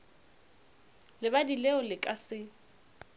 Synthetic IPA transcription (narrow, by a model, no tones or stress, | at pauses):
lɪbadilɛʊlɪkʼasɪ